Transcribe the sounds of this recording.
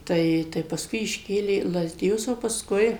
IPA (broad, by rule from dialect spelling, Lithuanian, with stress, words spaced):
ˈtɐɪ tɐɪ pɐsˈkʊɪ ɪʃʲˈkʲeːlʲeː iː lˠɐzʲdʲɪˈjʊs oː pɐsˈkʊɪ